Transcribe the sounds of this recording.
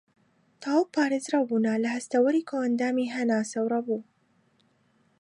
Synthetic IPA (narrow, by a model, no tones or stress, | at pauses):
t̪ʰaːwpʰaːɾezɾabuːnalɐhɐst̪ɐwɐɾiːkʰoɐnd̪aːmiɦɐnaːsɐwɾˤɐbuː